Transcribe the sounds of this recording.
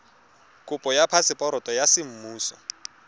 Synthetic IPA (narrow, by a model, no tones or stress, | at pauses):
kʼʊpʼɔjapʰasɪpʼɔɾɔtʼɔjasɪm̩muːsɔ̰